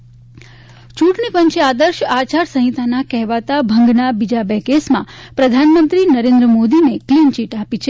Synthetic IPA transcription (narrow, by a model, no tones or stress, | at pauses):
t͡ʃuʈnipəɲt͡ʃead̪əɾʃat͡ʃaɾsə̃ɦĩt̪anakɛɦʋat̪abʱə̃ŋɡnabid͡ʒabɛkesmãpɾəd̪ʱanmə̃nt̪ɾinəɾend̪ɾəmod̪ineklint͡ʃiʈapit͡ʃʰe